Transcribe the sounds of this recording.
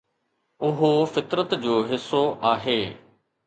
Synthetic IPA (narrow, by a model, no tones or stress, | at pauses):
ʊɦofɪt̪ɾət̪d͡ʑoːɦɪsːoʔaːɦeː